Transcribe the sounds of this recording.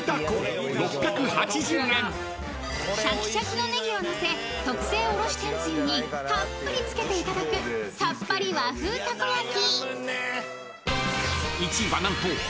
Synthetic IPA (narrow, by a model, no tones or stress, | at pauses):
ɾo̞pːʲjakɯ̟hat͡ɕiʑɨːẽŋ | ɕakʲi̥ɕakɯ̟no̞ne̞ɡʲio̞nose̞ | t̪o̞kɯ̟̥se̞ːoɾo̞ɕi̥t̪ẽɲ̟d͡ʑĩɲ̟ːihãpːɯɾʲit͡sɨ̥ke̞t̪e̞it̪ad̪akɯ̟sapːaɾʲiβaɸɯ̟ːt̪akoɾakʲi | it͡ɕibanãmpoː